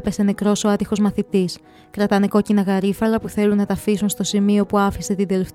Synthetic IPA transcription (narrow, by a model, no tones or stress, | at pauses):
pe̞se̞ne̞kɾo̞soɐt̪ixo̞zmɐθit̪is | kɾɐt̪ɐne̞ko̞cinɐɣɐɾifɐlɐpuθe̞lunːɐt̪ɐfisunst̪o̞simio̞puɐfiset̪ind̪e̞lef